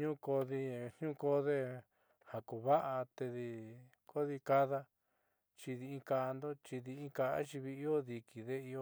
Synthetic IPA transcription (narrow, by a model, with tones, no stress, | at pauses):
ɲũ˦ko˧ði˧˨ɲ̥ɲũ˦˧ko˧ðe˦ | ha˨ku˨βa˦ʔa˧t̪e˧ði˧ | ko˦ði˧ka˦ða˧ | t͡ʃi˧ði˧ĩ˦ka˧nd̪o˦t͡ʃi˧ði˧ĩ˦ka˧a̰˦t͡ʃi˧βi˧i˦o˦ði˧ki˨ðe˦i˧o˧